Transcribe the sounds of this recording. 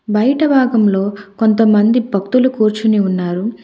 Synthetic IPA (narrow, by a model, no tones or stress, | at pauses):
bɐjɐʈɐbʱaːɡɐmlo̞ːko̞nt̪̬ɐmɐnd̪ibʱɐk̚t̪ulukuːɾt͡ʃuniunːaːɾu